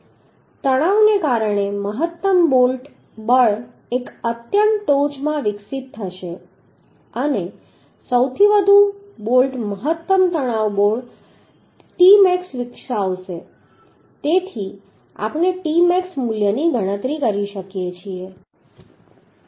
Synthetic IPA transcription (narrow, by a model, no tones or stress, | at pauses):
t̪əɽ̃aʋnekaɾəɽ̃eməɦət̪ːəmbolʈ | bəɭ | ekət̪jəɳʈod͡ʒmãʋɪksit̪ʰːəʃe | əne | səwt̪ʰiʋəd̪ʱu | bolʈməɦət̪ːəmt̪əɽ̃aʋboɭ | ʈimɛksʋɪkʃaʋʃe | t̪et̪ʰi | a̰pɳ̃eʈimɛksmuljəniɡʱəɽ̃ət̪ɾikəɾiʃəkjet͡ʃʰie